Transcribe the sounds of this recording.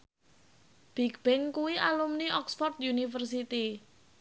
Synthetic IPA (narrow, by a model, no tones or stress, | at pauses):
b̥i̤kb̥ɪŋkuwiʔalumniʔɔksfɔrt̪̚junifərs̬it̪i